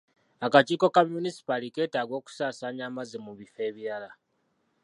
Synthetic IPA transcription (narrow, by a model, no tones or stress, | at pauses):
akat͡ʃiːko̞kamunisi̥palike̞ːtaːɡwo̞ːku̥saːsaːɲaːmazemuβife̞ːβiala